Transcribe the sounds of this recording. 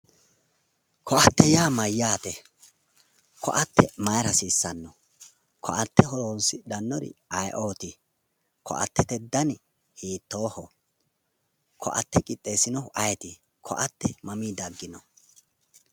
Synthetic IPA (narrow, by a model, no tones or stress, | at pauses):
kʰɔʔɐt̪ːɛjaːmɐjːaːt̪ɛ | kʰɔ̰ʔɐt̪ːɛmɐjɾɐsiːsːɐnːɔ | kʰɔʔɐt̪ːɛɦɔɾoːnsɪd̪ɐnːɔɾɪ̰ɐjʔoːt̪ɪ | kʰɔ̰ʔɐ̰t̪ːɛt̪ɛd̪ɐn | hiːt̪ːoːhɔ | kʰɔ̰ʔɐ̰t̪ːɛkʼɪt̪ʼːeːsɪnɔʊʔɐjɛt̪ɪ | kʰɔ̰ʔɐt̪ːɛmɐmiːd̪ɐɡːɪnɔ